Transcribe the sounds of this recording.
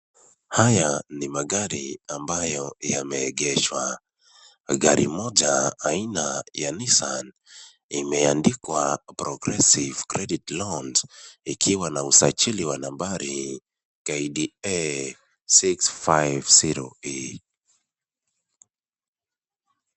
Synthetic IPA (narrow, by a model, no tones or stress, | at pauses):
hajanimaɡaɾiambajɔjamɛɡɛʃwa | ɡaɾʔḭmɔd͡ʒaːinajanisan | imɛandikwapɾɔɡɾɛsivkɾɛditlɔndikʰiwanausat͡ʃiliwanambaɾi | kaidiɛ | siksfajvsiɾɔ̰i